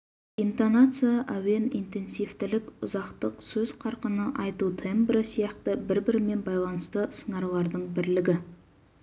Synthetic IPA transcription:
int̪onat̪sɨjaʔæwe̞nḭnt̪e̞nsijft̪ɪlɪkʊzɑqt̪əqsɵz̥qʰɑɾqənəʔɑjt̪ut̪ʰembɾɪsijɑqt̪əbɪɾbɪɾɪme̞nbɑjlˠɑnəst̪əsəɴɑɾulˠɑɾd̪əɴbɪɾlɪɡʲɪ

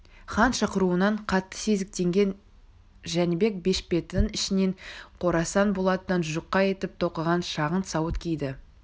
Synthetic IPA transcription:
χɑnʃɑqəɾuənɑɴqʰɑt̪ːə̥se̞zɪk̚t̪e̞ŋɡʲe̞n | ʒænɪbe̞k̚be̞ʃpe̞t̪ɪŋɪʃɪne̞ɴqʰo̞ɾɑsɑnbo̞lˠɑt̪ənənʒəqːɑje̞t̪ɪp̚t̪ʰo̞qəʁɑnʃɑʁənt̪sɑwət̪kʲʰejd̪ɪ

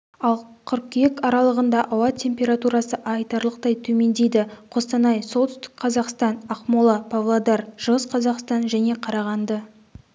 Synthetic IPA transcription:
ɑlˠqʰʏɾp̚kʲʰijekɑɾɑlˠəʁənd̪ɑʔɑwɑt̪ʲʰːe̞mpʲe̞ɾat̪uɾɑsəʔɑjt̪ɑɾlˠəqt̪ɑjt̪ʰɵme̞nd̪e̞jd̪ɪqʰo̞st̪ɑnɑjso̞lˠt̪ʏst̪ɪ̥kqʰɑzɑqst̪ɑnɑqmolˠɑpʰavlˠad̪ɑɾʒ̥əʁəsqʰɑzɑqst̪ɑnʒæne̞qʰɑɾɑʁɑnd̪ə

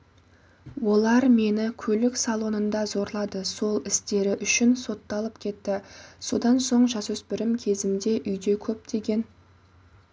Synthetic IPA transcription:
wo̞lˠɑɾme̞nɪkʲʰɵlɪksɑlˠo̞nənd̪ɑzo̞ɾlˠɑd̪əso̞lˠɪst̪e̞ɾɪʔʏʃɪnso̞t̪ːɑlˠəpkʲʰe̞t̪ːɪso̞d̪ɑnso̞ɴʒɑsɵsbɪɾɪmkʲʰe̞zɪmd̪e̞ʔʏjd̪e̞kʲʰɵp̚d̪e̞ɡʲe̞n

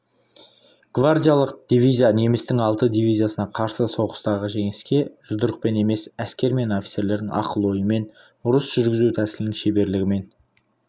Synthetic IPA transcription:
ɡ̥vard̪ʲijalˠəq̚d̪̥ijvijzijane̞mɪst̪ɪŋɑlˠt̪əd̪ijvijzijasənɑqʰɑɾsəso̞ʁə̥st̪ɑʁəʒe̞ŋɪskʲe̞ʒ̥ʊd̪əɾəq̚pe̞ne̞me̞sæskʲe̞ɾme̞no̞fʲi̥t̪se̞ɾle̞ɾd̪ɪŋɑ̰qəlˠo̞jəme̞n | ʊɾəsʒ̥ʏɾɡʲɪzuwt̪ʰæsɪlɪnɪŋʃe̞be̞ɾlɪɡʲɪme̞n

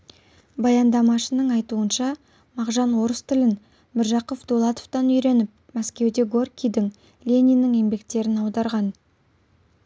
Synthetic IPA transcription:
bɑjɑnd̪ɑmɑʃənəɴɑjt̪uənʃɑ | mɑqʒɑnwo̞ɾəst̪ʰɪlɪn | mɪɾʒɑqofd̪olˠɑt̪oft̪ɑnʏjɾe̞nɪp̚ | mæskʲe̞wd̪e̞ɡo̞rkʲijd̪ɪŋ | lʲe̞nʲijnɪŋe̞mbe̞k̚t̪e̞ɾɪnɑwd̪ɑɾʁɑn

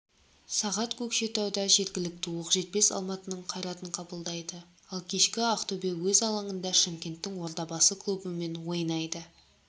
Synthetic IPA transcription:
sɑʁɑt̪kʲʰɵkʃe̞t̪ɑwd̪ɑʒe̞ɾɡʲɪlɪk̚ʲt̪ɪwoqʒe̞t̪̚pe̞sɑ̰lˠmɑt̪ənəɴqʰɑjɾɑt̪əɴqʰɑbəlˠd̪ɑjd̪ə | ɑlˠkʲʰe̞ʃkʲɪɑqt̪obewɵzɑlˠɑɴənd̪ɑʃəmkʲe̞nt̪ːɪŋwo̞ɾt̪ɑbɑsəkʰlˠubəme̞nwo̞jnɑjd̪ə

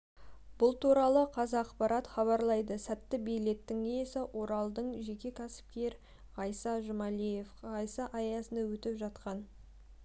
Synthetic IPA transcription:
b̥ʊlˠt̪uɾɑlˠəqʰɑzɑːqpɑɾɑt̪χɑβɑɾlˠɑjd̪əsæt̪ːɪbejle̞t̪ːɪŋejesɪʔwʔo̞ɾɑlˠd̪əɴʒe̞kʲe̞kʲʰæsɪ̥p̚kʲe̞ɾ | ʁɑjsɑʒʊmɑlije̞fʁɑjsɑʔɑjɑsənɑwɵt̪ɪpʒɑt̪qɑn

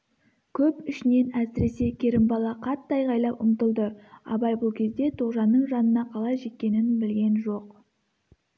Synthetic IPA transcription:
kʲʰɵpʏʃɪne̞næsɪɾe̞se̞kʲʰe̞ɾɪmbɑlˠɑqʰɑt̪ːɑjʁɑjlˠɑwʔʊmt̪əlˠd̪əɑ̰bɑjbʊlˠkʲʰe̞zd̪e̞t̪ʰoʁʒɑnːəɴʒɑnənɑqʰɑlˠɑjʒe̞t̪̚ʲkʲːe̞nɪnbɪlɡʲe̞nʒo̞q

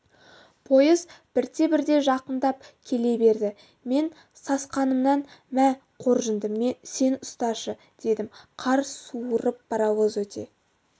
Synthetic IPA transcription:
pʰo̞jəzb̥ɪɾt̪e̞bɪɾd̪e̞ʒɑqənd̪ɑp̚kʲʰe̞le̞be̞ɾd̪ɪ | me̞n | sɑsqɑnəmnɑnmæ | qʰo̞ɾʒənd̪əmːese̞nʊst̪ɑʃə | d̪̥e̞d̪ɪmqʰɑɾsuəɾəp̚b̥ɑɾɑwəzwɵt̪ʰe̞̰

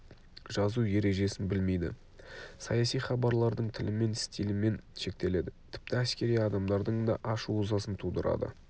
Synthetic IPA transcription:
ʒɑzuje̞ɾe̞ʒe̞sɪnbɪlme̞jd̪ɪ̰ | sɑjɑsijχɑbɑɾlˠɑɾd̪əɴt̪ʰɪlʔɪme̞nɪ̥st̪ilɪme̞nʃe̞k̚t̪e̞le̞d̪ɪt̪ʰɪ̥p̚t̪ɪæskʲe̞ɾijɑd̪ɑmd̪ɑɾd̪əɴd̪ɑ̰ʔɑʃuʊzɑsənt̪ʰud̪əɾɑ̰d̪ə̰

